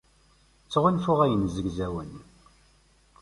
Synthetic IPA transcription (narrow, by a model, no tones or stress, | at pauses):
t͡sːʁunfʊʁæjənzəɡzæwən